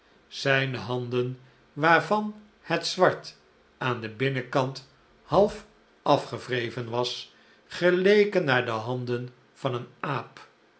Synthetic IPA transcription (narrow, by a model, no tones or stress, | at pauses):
z̥ɛjnəɦɑndən | ʋaːɹvɑn | hətsʋɑɹt | aːndəbɪnəkɑnt | hɑlˠf | ɑfχəv̥rejvənʋɑs | χəlejkənːaːɹdəɦɑndən | v̥ɑnənaːp